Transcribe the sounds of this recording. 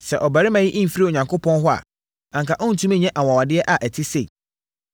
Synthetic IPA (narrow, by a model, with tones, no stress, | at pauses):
sɛ̰˨ʔɔ˨ba˨ɾɪ˦mã˨jɪ˦ʔĩ˦˨fi˦ɾi˦˨o˨ɲã˨ŋkʰʊ˦pʰɔ̃˦n˦ɦʊ˦a̰˨ | ã˨ŋkʰa˨ʔɔ̃˦n̩˨tʰũ˦mɛ̃˦ɲɛ̃˦ʔa˨wã˨wa˨dɪ˦ɛ˦ʔa˨ʔɛ˨tʰɪ˦se˦˨